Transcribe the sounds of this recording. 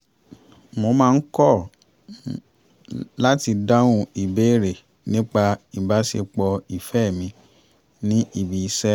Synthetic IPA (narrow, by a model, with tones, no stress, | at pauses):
mo˧mãː˦˧n̩˦kɔ˦˨ | la˦ti˧da˦wũ˧i˨be˨˦i˦˨ɾe˨ | nĩ˦k͡pa˧i˨ba˨˦sḛ˧k͡pɔ˧i˨fɛ˦˨mĩ˧ | nĩ˦ʔi˦˨bi˨i˦sɛ˦